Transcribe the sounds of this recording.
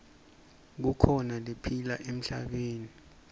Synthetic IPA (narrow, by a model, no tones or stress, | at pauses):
k̬ukʰɔnalepʰilaʔem̩ɬa̰ɓ̬eːni